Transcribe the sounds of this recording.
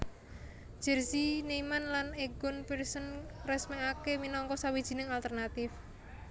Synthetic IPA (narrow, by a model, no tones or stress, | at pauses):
ʒ̥ɛ̤rsineimanlaneɡʊnpirsənrɛsmɛakeminɔŋkɔsawid̥ʒ̥i̤nɪŋalt̪ərnat̪ɪf